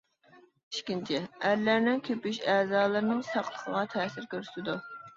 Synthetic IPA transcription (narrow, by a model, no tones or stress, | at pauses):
iʃkʲint͡ʃʰɪæɾlæɾnɪnkʲʰøpyʃɛːzɑːlˠɨɾnɨŋsɑqlˠə̥χʰə̰ʁɑt̪ʰɛːsɪɾkʲøɾy̥sɪd̪u